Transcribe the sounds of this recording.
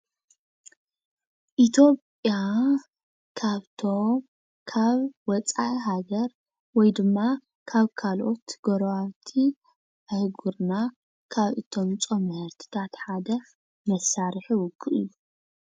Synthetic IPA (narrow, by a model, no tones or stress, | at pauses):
ʔit̪ʰo̞pʼja | kʰaβt̪ʰom | kʰaβwɔt͡sʼaiɦaɡɐɾ | wɔjd̪ɨmːa | kʰaβkʰalʔo̞t̪ɡ̥oɾwat̪ʰi | ʕɨhɡuɾna | kʰaβʔɨt̪ʰo̞mt͡sʼomhɐɾt̪ʰi̥t̪ʰat̪ħad̪ɐ | mɐsːaɾħiwʊɡːɨʔɨ̰jːu